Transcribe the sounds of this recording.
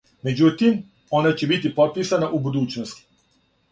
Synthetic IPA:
me̞d͡ʑut̪im | o̞nat͡ɕe̞bit̪ipot̪̚piːsanaʔubud̪uːt͡ɕnost̪i̥

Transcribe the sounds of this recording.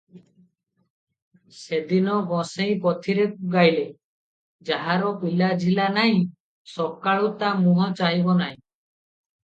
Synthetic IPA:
sed̪inɔɡɔ̃sẽj̃pɔt̪ʰiɾekuɡajle | d͡ʒaɦaɾɔpilad͡ʒʱilanaɦĩ | sɔkaɭut̪amũɦɔt͡ʃaɦibɔnaɦĩ

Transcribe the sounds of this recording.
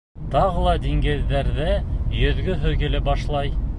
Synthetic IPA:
t̪ɑʁɤlˠɑd̪iŋɡɘ̆ðːæɾðɘjɵ̆ðɡɵɦɵ̆ɡɘ̆lɘbɑʃlˠɑj

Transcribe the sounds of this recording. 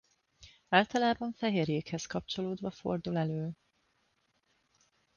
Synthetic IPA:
aːlt̪ɒlaːbɒɱfɛɦeːrjeːkhɛskɒp̚t͡ʃo̞loːd̪vɒfo̞̰rd̪ulɛløːl

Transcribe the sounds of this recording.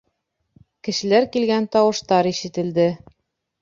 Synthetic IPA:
kɘ̆ʃɘ̆læɾkilɡænt̪ɑwɤ̆ʃt̪ɑɾiʃɘ̆t̪ɘ̆ld̪ɘ

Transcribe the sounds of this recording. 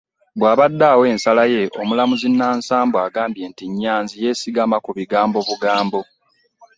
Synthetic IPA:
bwaːβadːaːwe̞ːnsalaje̞ʔomulamuzinːaːnsaːmbwaːɡaːmbje̞ːntiɲːaːnzije̞siɡamakuβiɡaːmbo̞βuɡaːmbo̞

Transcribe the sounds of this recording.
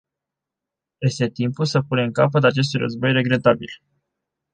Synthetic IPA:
je̞st̪e̞t̪impulsəpuneɨŋkap̬ət̪̬at͡ʃe̞s̬t̪ujrʔə̰zbo̞jre̞ɡɾe̞t̪abil

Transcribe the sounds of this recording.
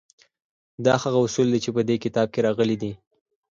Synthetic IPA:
d̪ɑhaɣaʊsuld̪at͡ʃepəd̪ekɪt̪ɑb̚keɾɑɣəlid̪i

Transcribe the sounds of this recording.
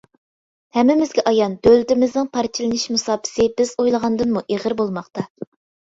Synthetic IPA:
hɛmːɪmɪzɡʲɛʔɑjɑnd̪̥ølt̪ɪmɪznɪŋpʰɑɾt͡ʃʰilˠɪnɨʃmusɑːpʰɪ̥sɪbɪzojlˠəʁɑnd̪ɨnmuʔeʁəɾbolˠmɑχt̪ɑ

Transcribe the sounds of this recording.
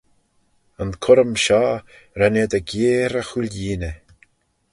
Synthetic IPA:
ənkʰʊɾəmʃaː | ɾaned̪əɡeːɾəxulʲjiːnə

